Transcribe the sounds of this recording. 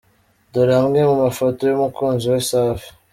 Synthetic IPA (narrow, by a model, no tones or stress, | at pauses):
doɾamɡemumafotojomukonziwesafi̥